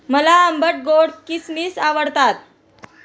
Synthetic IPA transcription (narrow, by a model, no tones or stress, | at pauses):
məlaəmbəʈ̚ɡoɽkismiːsaʋəɽt̪at̪̚